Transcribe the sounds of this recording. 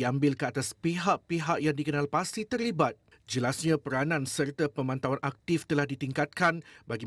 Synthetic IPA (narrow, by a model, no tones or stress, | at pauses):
iambɪlkəat̪aspiɦaʔ̚piɦaʔjaŋdikənãlpast̪it̪ərlibat̪̚ | d͡ʒəlasɲãpəɾanãnsərt̪apəmãnt̪awanʔak̚t̪ift̪əlahdit̪iŋkat̪̚kanbaɡi